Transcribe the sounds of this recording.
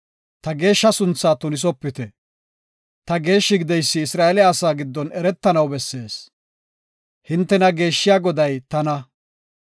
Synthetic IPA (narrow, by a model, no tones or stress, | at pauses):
t̪ɐɡe̞ːʃːɐsʊnt͡sːaːt̪ʊnɪs̬ɔpːɪt̪ɛ | t̪ɐɡe̞ːʃːɪɡɪd̪ɛjsːɪːsɾaːɛlɪjaːsaːɡɪd̪ːɔnɛɾɛt̪ːɐnɐwbɛsːe̞ːs | hɪnt̪ːɛnɐɡe̞ːʃːɪjaːɡɔd̪ɐjt̪ɐnɐ